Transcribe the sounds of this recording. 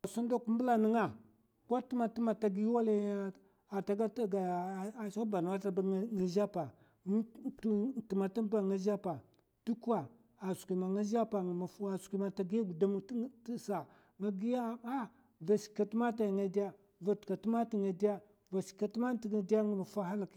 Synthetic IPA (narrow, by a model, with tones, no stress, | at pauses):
a˨su˦n˦da˦ku˦m˦bu˦la˨ni˦ŋa˦ | ka˦tu˦ma˨ti˦ma˨ta˨ɡi˦wa˦la˦˨ | a˨ta˨ɡa˦ɡa˨ʃa˦ba˨n˨wa˦ta˨ba˦ŋa˨ʒa˦pa˨˦ | ti˨ma˨ti˦ba˨ŋa˦ʒa˦pa˨ | tu˦ku˦a˨ | a˨su̥˨ki˨ma˨ŋa˦ʒa˦pa˨ma˨fa˨skʷi˨ma˨ta˨ɡi˦a˦ɡu˨da˦m˦sa˨ | ŋa˦ɡi˦ja˦˨a˦ | va˨si̥˨kːa˨tu˦ma˦ta˨ŋa˨di˦ja˦ | va˨tka˨tu˦ma˦ti˦ŋa˨di˦ja˦ | va˨ska˨tma˦n˦ti˨ɡa˨di˦a˦ŋa˨ma˨fa˦ha˦la˨k